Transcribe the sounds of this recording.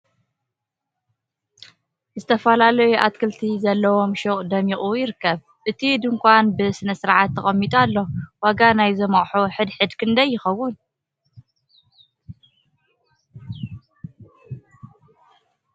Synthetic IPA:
zɨt̪ʰɐfɐlalɐjuʔat̪̚kʰɨlt̪ʰizɐlːɐwo̞mʃoχʼd̪ɐmiχʼujɪɾɨkːɐβ | ʔɨt̪ʰid̪ɨŋkʰʷanbɨsɨnɐsɨɾʕat̪ʰːɐχʼɐmːit̪ʼalːo̞waɡanajzɐmɐχʼħuħɨd̪ħɨd̪kʰɨnd̪ɐjːɪxɐwːʊn

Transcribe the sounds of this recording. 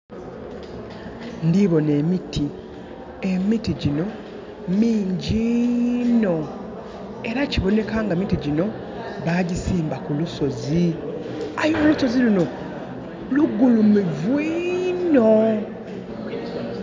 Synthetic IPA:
ndiβo̞ne̞ːmitʰi | e̞mitiɟino̞ | miːɲɟi | no̞ | e̞ɾaciβo̞ne̞kaːŋɡamitiɟino̞ | βaːɟisiːmbakuluso̞zi | ajoluso̞ziluno̞ | luɡːulumivwiːno

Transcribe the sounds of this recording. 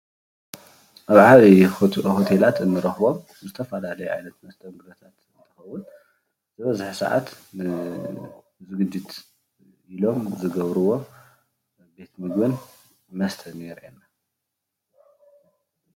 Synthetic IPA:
ʔaβʕaβihot̪ʰelat̪ɨnːɨɾɐxbo̞m | zɨt̪ʰɐfɐlalɐjuʕa̰jnɐt̪mɐst̪ʰɐnɡɨɾɐt̪ʰat̪ɨnt̪ʰɨxɐwːʊn | zɨβɐzaħsa̰ʕa̰t̪nɨ | zɨɡɨd͡ʒːɪt̪ | ilo̞mzɨɡɐβɾɨwo̞ | be̞t̪mɨɡbɨn | mɐst̪ʰɐnjɛɾʔenːa

